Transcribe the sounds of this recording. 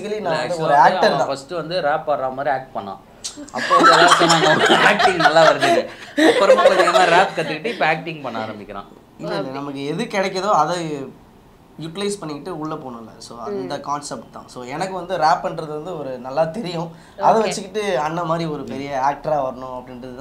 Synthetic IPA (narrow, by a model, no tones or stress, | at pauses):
kɐlinãːɐd̪ɯɔɾɯaːkɐɾt̪ãːfɐsʈɯʋɐnd̪ɯɾaːpːaːɾɾaːɐmaːd̪ɾiaːk̚ʈ̚pɐɳːã̰ː | ɐ̰pːoːðlːʈɐnãːɐːk̚ʈɪ̃ŋɡnɐlːaːʋɐɾɐt͡ʃːɪːɯɔɾɐpɐɾɐt͡ʃɐjɐmãːɾaːpkɐt̪ːɯkːɪʈːɯɪpːɐaːk̚ʈɪ̃ŋɡpɐɳːaaːɾɐmbɪkʲːɪɾã̰ː | ɪlːɐɪlːɐnɐmɐkːɯɛðɯkɛɽɛk̬ʲːɐðoːɐðɐ | juʈɪlɐɪspɐɳːɪkːɪʈːɯʊɭːɐpoːɳʊ̃ɪlːɐ̰soːnd̪ɐkaːnsɛp̚ʈt̪ã̰soːɛnɐkːɯʋɐnd̪ɯɾaːpːɐnɾɐðɯʋɐnd̪ɯɔɾɯnɐlːaːt̪ɛɾɪjʊ̃ | ɐðɛʋɐt͡ʃːɯkːɪʈːɯɐnːɐmaːd̪ɾiɔɾɯpɛɾɪjɐaːk̚ʈɾaːʋɐɾɐɳʊ̃ɐpːɐɽɪnɾɐðɯt̪ã